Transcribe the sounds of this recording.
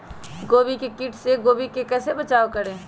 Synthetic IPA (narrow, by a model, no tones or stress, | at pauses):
ɡoːbikekiʈʰseɡoːbikekɛːsebət͡ʃaːokəɾẽː